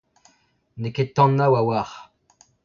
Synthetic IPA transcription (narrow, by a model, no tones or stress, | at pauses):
neket̪ːɑ̃nːawawaʁ